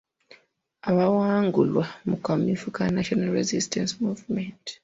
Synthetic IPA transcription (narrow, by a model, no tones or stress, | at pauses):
aβawaːŋɡulwamukamifukanaʃonalɾezistensmuːvment